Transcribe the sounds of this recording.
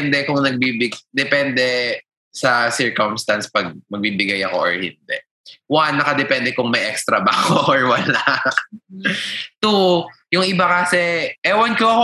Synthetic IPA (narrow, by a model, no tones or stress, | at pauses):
nd̪ɛkʊŋnɐɡ̚bibɪɡd̪ɛpɛnd̪ɛ | sɐsɛɹkomst̪anspɐɡ̚mɐɡ̚biːbɪɡajɐko̞̰ʔɔɹhɪ̰nd̪ɛ | wanːɐkɐd̪ɛpɛnd̪ɛkʊŋmɐjʔɛkst̪ɾɐbakoʔɔɹwɐla | t̪ujʊŋʔɪbakasɛʔɛwɐnkoɐko